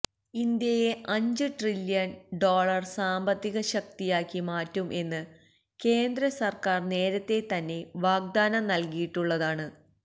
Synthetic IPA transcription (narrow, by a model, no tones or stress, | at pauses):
ind̪jɐjeʔɐɲd͡ʑɨʈriljɐnɖo̞ːɭɐrsaːmbɐt̪ːiɣɐɕɐkt̪ijaːkːimaːtːumʔe̞nːɨ | ke̞ːnd̪ɾɐsɐrkaːrne̞ːɾɐt̪ːe̞t̪ɐnːe̞ʋaːɡ̚d̪aːnɐmnɐlkijiʈːuɭːɐðaːɳɨ